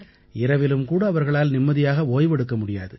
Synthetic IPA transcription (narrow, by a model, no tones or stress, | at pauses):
ɪɾɐʋɪlɯmkuːɽɐːʋɐɾɣɐɭaːlnɪmːɐðɪjaːɣɐoːjʋɛɽɯkːɐmʊɽɪja̰ːðɯ